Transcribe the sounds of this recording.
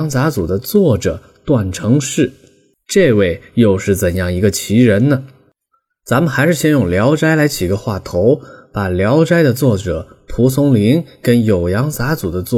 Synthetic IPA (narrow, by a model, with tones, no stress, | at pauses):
ŋt͡sa˧˥t͡su˨˩d̪ə˦t͡swɔ˥˩ʈ͡ʂɤ˨˩ | t̪wa˥˩nʈ͡ʂʰɤ˧˥ŋʂɻ̩˥˩ | ʈ͡ʂɤ˥˧we˥˩ɪjo˥˧ʊʂɻ̩˥˩t͡sə˨˩njɑ˥˩ŋi˧˥ɡə˧t͡ɕʰi˧˥ɻə˧˥nnə˧ | t͡sa˧˥mə˨xa˧˥ɪʂɻ̩˥˩ɕjɛ˥˧njʊ˥˩ŋljɑ˧˥ʊʈ͡ʂa˥ɪla˧˥ɪt͡ɕʰi˨˩ɡə˦xwa˥˩t̪ʰo˧˥ʊpa˨˩ljɑ˧˥ʊʈ͡ʂa˥ɪd̪ə˨t͡swɔ˥˩ʈ͡ʂɤ˨˩˦pʰu˧˥s̬ʰʊ˧˥ŋli˧˥nkə˥njo˨˩ʊjɑ˧˥ŋt͡sa˧˥t͡su˨˩d̪ə˦t͡swɔ˥˩